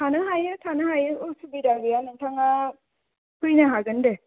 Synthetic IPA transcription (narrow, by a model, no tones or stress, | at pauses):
tʰanɯɦajɯtʰanɐɦajɯʔosubidaɡɯjanɯŋtʰaŋa | kʰujnaɦaɡɯnde